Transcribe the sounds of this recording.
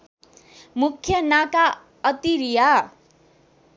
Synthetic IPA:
mukʰjʌnaka | ʌt̪iɾija

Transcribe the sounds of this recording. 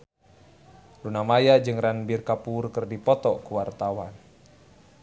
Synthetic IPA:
lunamajad͡ʒɨŋranbirkapurkɨrdipɔt̪ɔkuwart̪awan

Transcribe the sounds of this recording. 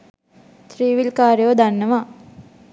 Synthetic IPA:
t̪ɾiːʋilkaːɾjəʋd̪anːəʋa

